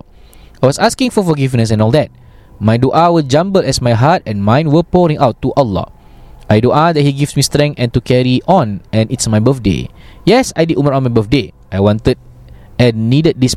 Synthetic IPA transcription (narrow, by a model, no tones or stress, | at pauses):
ajwɔsaskɪ̃ŋfɔfɔɡifnəs̬ɛ̃nɔlˠd̪ɛt̚ | majdoʔawəd͡ʒãmbəlɛsmajɦat̚ɛ̃nmãj̃nwəpɔɹĩŋʔawtːuʔɔlːɔ̰ | ajdoʔad̪ɛt̚hiɡifsmistɹɛ̃ŋɛ̃ntukɛɹiʔɔ̃nɛ̃nitsmajbəθdḛjɛsajdiduməɹɔ̃nmajbəfdeʔajwɔ̃ntəd̚ | ɛ̃nːidət̚dis